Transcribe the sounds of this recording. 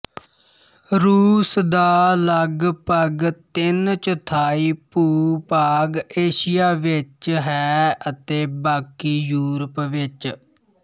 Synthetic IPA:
ɾuːsd̪aːləɡpəɡt̪ɪnt͡ʃət̪ʰaːiːpuːpaːɡeːʃɪjaːʋɪt͡ʃɦɛːət̪eːbaːkiːjuːɾəpʋɪt͡ʃ

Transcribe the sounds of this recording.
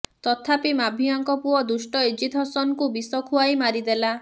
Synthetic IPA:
t̪ɔt̪ʰapimabʱiɔŋkɔpuɔd̪usʈɔed͡ʒit̪ʰɔsɔnɔkubisɔkʰuajmaɾid̪ela

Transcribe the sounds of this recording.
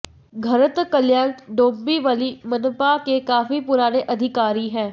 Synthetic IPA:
ɡʱɐɾət̪kəljaːɾt̪ɖõːmbiʋalimɐnpakekaːfipʊɾaːñeʔɐd̪ʱɪkaːɾiɦɛ̃ː

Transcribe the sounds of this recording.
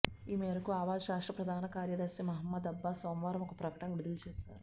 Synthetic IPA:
iːmɛːɾɐkuaːʋaːd͡ʒɐʃaːʂʈɾɐpɾɐd̪ʱaːnɐkaːɾjɐd̪ɐsimɐɦɐmːɐd̪ɐbːaːsoːmʋaːɾɐmɔkɐpɾɐkɐ̥ʈɐnʋid̪ulut͡ʃɛːʃaːɾu

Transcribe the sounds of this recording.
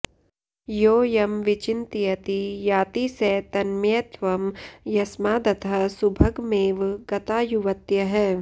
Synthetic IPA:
joːjɐmʋɪt͡ʃɪnt̪ijɐt̪ijaːt̪isɛːt̪ɐnmjɐt̪ʋɐmjɐsmaːd̪ɐt̪ʰɐsubʱɐɡmeːʋɡɐt̪aːjuʋɐt̪jɐɦɛː

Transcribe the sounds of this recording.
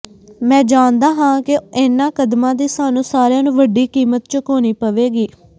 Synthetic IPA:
mɛ̃ːd͡ʒaːnd̪aːɦãːkɪɪnːãːkəd̪mãːd̪iːsaːnũːsaːɾɪjãːnũːʋəɖiːkiːmət̪t͡ʃəkoːniːpəʋeːɡiː

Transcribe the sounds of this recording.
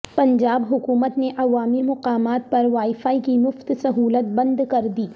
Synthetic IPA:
pɐ̃ɲd͡ʒaːbɦʊkuːmət̪neʔɐʋaːmimʊqaːmaːt̪̚pɐɾʋaːifaːikimʊft̪sɐɦuːlət̪̚bɐ̃nd̪kɐɾd̪iː

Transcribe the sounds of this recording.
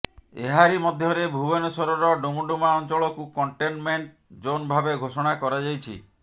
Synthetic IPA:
eɦaɾimɔd̪ʱjɔɾebʱubɔnɔsɔɾɔɾɔɖomuɖumaɔnt͡ʃɔɭɔkukɔɳʈenmeɳʈ | d͡ʒonbʱabeɡʱosɔɽ̃akɔɾad͡ʒajt͡ʃʰḭ

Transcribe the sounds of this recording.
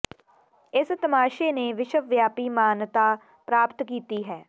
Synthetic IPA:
ɪst̪əmaːʃeːneːʋɪʃəʋjaːpiːmaːnt̪aː | pɾaːpt̪kiːt̪iːɦɛː

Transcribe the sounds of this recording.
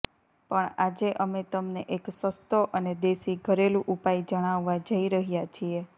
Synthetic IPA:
pəɳad͡ʒeʔəmet̪əmneʔeksəst̪oʔəned̪esiɡʱəɾelũʔupaid͡ʒəɽ̃aʋːad͡ʒəiɾəɦjat͡ʃʰie

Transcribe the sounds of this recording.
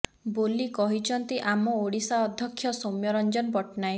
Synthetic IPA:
bolikɔɦit͡ʃʰɔnt̪iʔamɔoɽisaɔd̪ʱjɔkʰːjɔsomjɔɾɔnd͡ʒɔnpɔʈnaj

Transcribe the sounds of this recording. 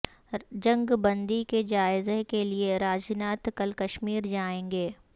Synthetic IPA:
d͡ʒɐ̃ŋɡbɐ̃nd̪iked͡ʒaːɪzekelieɾaːd͡ʒnaːt̪kɐlkɐʃmiːɾd͡ʒaːẽːŋɡeː

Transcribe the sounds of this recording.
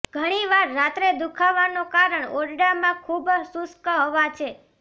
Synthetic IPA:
ɡʱəɽ̃iʋaɾːat̪ɾed̪ukʰaʋanokaɾəɳoɾɖamãkʰubsuskəɦoʋat͡ʃʰe

